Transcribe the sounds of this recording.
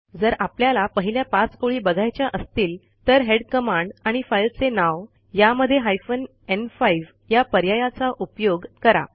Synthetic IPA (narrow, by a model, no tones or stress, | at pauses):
d͡zəɾapljalapəɦiljapãt͡skoɭiːbəɡʱajt͡ɕjaʔəst̪iːl | t̪əɾɦeɽkəmãɳɖaɽ̃ifajlt͡senaʋ | jaməd̪ʱːjeɦajfən | enfaiʋ | japəɾjajat͡saʔupjoɡkəɾa̰